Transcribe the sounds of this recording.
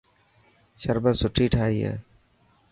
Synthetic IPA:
ʃəɾbəsʊʈʰiːʈʰaːiːɛ̰ː

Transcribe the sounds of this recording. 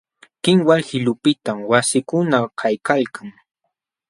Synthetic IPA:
kɪŋwalhɪlʊpɪt̪amwasɪkʊnakʰajkalkaŋ

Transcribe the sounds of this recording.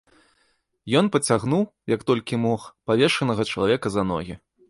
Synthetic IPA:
jɔnpɐt͡sʲaɣnuwjɐkt̪ɔlʲkʲimɔxpavʲɛʂɐnɐɣɐt͡ʂɐlˠavʲɛkɐzɐnɔ̰ɣʲi

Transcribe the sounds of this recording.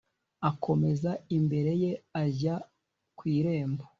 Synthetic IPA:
akʰo̞me̞zaimbe̞ɾe̞je̞aza | kwiːɾe̞ːmba

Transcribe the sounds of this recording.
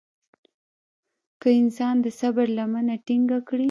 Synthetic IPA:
kəɪnsɑnd̪əsabaɾlamanaʈiŋɡakɽi

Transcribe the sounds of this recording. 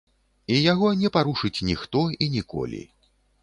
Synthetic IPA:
ijaɣɔnʲɛpaɾuʂɨt͡sʲnʲixt̪ɔinʲikɔ̰lʲḭ

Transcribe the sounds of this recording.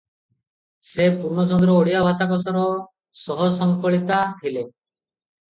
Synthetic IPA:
sepuɾnɔt͡ʃɔnd̪ɾɔoɽijabʱasakɔs̬ɔɾɔ | sɔɦɔsɔŋkɔɭit̪at̪ʰile

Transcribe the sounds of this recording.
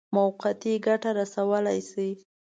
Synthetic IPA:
mawqat̪iɡaʈaɾasawəlajsi

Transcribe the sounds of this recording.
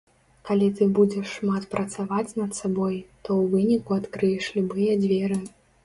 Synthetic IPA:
kalʲit̪ɨbud͡zʲɛʂːmat̪pɾɐt̪savat͡sʲnɐt̪sabɔjt̪ɔwvɨnʲikuat̪kɾɨjɛʂlʲubɨjɛd͡zʲvʲɛɾɨ

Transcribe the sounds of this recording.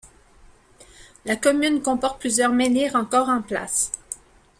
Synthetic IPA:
lakɔmynkɔ̃pɔʁt̪̚plyzjœʁmenɛʁɑ̃kɔːʁɑ̃pla̰s

